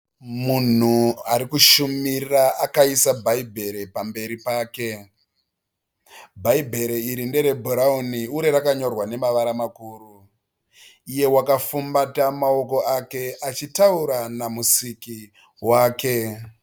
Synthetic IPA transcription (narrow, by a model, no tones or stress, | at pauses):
mun̤uaɾikuʃumirraʔakaisabʱaibʱe̞ɾe̞pambe̞ɾipaːke̞ | bʱaibʱe̞ɾeiɾinde̞ɾe̞bʱoɾauniuɾeɾakaɲo̞rwane̞maʋaɾamakuːru | ije̞wakafumbatamao̞ko̞ake̞ʔat͡ʃitauɾanamusiki | waːke̞